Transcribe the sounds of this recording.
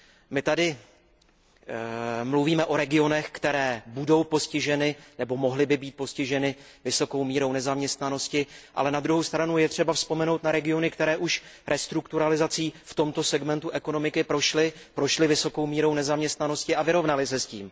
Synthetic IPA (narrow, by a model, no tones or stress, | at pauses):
mɪt̪adɪ | mluviːmɛʔo̞ɾɛɡɪo̞nɛxkt̪ɛɾɛːbudo̞wpo̞scɪʒɛnɪnɛbo̞mo̞ɦlɪbɪbiːt̪̚po̞scɪʒɛnɪ | vɪso̞ko̞wmiːɾo̞wnɛzamɲɛst̪nano̞scɪʔa̰lɛnad̪ɾuɦo̞wst̪ɾanujɛt̪r̝̥ɛbafspo̞mɛno̞wt̪̚naɾɛɡɪo̞nɪkt̪ɛɾɛːʔuʃɾʔɛst̪ɾukt̪uɾalɪzat͡siːft̪o̞mt̪o̞sɛɡmɛnt̪uʔɛko̞no̞mɪkɪpɾo̞ʃlɪpɾo̞ʃlɪvɪso̞ko̞wmiːɾo̞wnɛzamɲɛst̪nano̞scɪavɪɾo̞vnalɪsɛsciːm